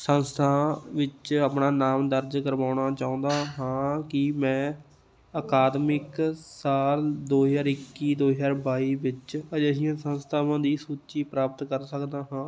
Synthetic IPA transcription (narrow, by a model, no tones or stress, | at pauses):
sənst̪ʰãːʋɪt͡ʃapnaːnaːmd̪əɾd͡ʒkəɾʋaːʊnaːt͡ʃaːʊ̃ːnd̪aːɦãːkɪmɛ̃ː | əkaːd̪mɪksaːld̪oːɦzaːɾɪkːiːd̪oːɦjaːɾbaːiːʋɪt͡ʃd͡ʒɛːsɪjãːsənst̪ʰaːʋãːd̪iːsuːt͡ʃiːpɾaːpət̪kəɾsəkd̪aːɦãː